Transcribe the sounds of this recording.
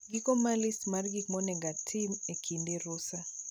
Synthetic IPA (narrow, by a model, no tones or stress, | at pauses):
ɡikɔmalismarɡikmɔnɛɡatʰimekʰindeɾʊsa